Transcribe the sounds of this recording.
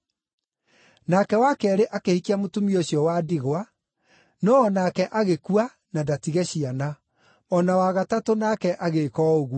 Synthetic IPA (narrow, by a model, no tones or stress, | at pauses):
nakɛwakɛɾeʔakehikiamotumioɕjɔwadiɣwa | nɔːnakɛʔaɣekua | nadatiɣɛɕiana | ɔnawaɣatatonakɛʔaɣekɔoɣu